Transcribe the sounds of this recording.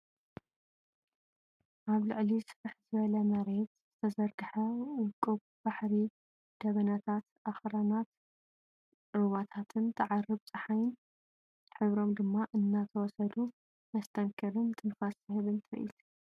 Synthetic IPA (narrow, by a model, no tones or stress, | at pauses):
ʔaβlɨ̰ʕlisɨɾɨħzɨβɐlɐmɐɾet̪zz̥ɨt̪ʰɐzɐɾɡɨħɐwɨkʼːuβ | baħɾi | d̪̥ɐβɐnat̪ʰat̪ʔaxɾanat̪ | ɾuβat̪ʰat̪ʰɨnt̪ʰɐʕarɨβt͡sʼɨħajɪn | ħɨβɾo̞md̪ɨmːaʔɨnːat̪ʰɐwɔsɐd̪u | mɐst̪ʰɐŋkʰɐɾɨnt̪ʼɨnfasɨɦɨβɨnt̪ʰɐɾʔḭt̪